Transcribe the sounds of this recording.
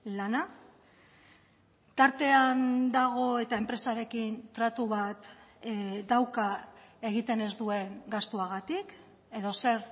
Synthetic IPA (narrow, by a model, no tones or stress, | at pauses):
lana | t̪aɾt̪e̞and̪aɣ̞o̞e̞t̪ae̞mpɾe̞saɾe̞kint̪ɾat̪uβat̪ | d̪awkae̞ɣ̞it̪e̞ne̞zd̪ue̞ŋɡast̪uaɣ̞at̪ik | e̞ðo̞se̞ɾ